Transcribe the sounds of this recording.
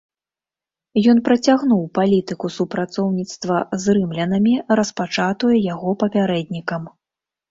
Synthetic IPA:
jɔn̪pɾɐt͡sʲaɣnuwpalʲit̪ɨkusupɾat̪sɔwnʲit̪st̪vɐzrɨmlʲɐnɐmʲiɾɐspat͡ʂat̪ujɛjaɣɔpɐpʲaɾɛd̪ʲnʲikɐm

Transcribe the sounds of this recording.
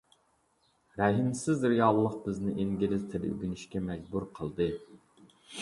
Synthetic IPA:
ɾɛɦimsɪzɾijɑːlˠːəq̚bɪznɪʔiŋɡʲilɪzt̪ʰelɪy̰ɡʲynɪʃkʲɛmɛd͡ʒbuɾqʰəlˠd̪ɨ

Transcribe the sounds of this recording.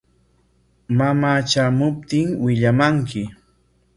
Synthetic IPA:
mamaːt͡ʃaːmʊp̚t̪ɪŋwɪʎamaŋkɪ

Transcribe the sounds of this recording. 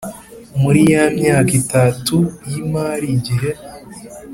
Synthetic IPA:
muɾijamɲaːkitatujimaːɾiɟiɦe

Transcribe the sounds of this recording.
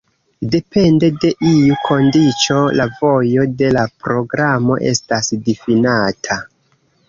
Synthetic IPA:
de̞pe̞nde̞de̞ʔiukʰo̞ndit͡ʃo̞lavo̞jo̞de̞lapɾo̞ɡɾamo̞̰ʔe̞̰stasdifinatʰa

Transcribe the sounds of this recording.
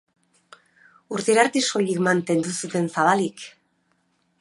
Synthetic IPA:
uɾt̪iɾaɾt̪isoʎikmant̪e̞nd̪usut̪e̞nsaβalik

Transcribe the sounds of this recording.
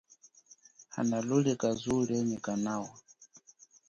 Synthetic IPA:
ha̰nalulɛkazuɺɛɲɛkanawa

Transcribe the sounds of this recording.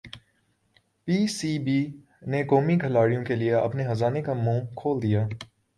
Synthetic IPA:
piːsiːbiː | nekoːmiɡʱɐlaːɽijõkelieɐ̰pneɦɐzaːnekamũːkʰoːld̪ijaː

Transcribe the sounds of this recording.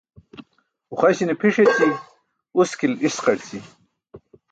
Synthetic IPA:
uχajɕinepʰiʂet͡ɕi | uskilisqɐɽt͡sʰi

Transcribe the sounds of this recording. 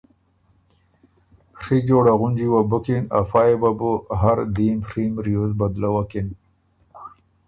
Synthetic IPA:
xʂid͡ʒoːɽaɣʊnd͡ʒiwabʊkina̰fajebabuɦaɾd̪imʂimɾijozbad̪lawakin

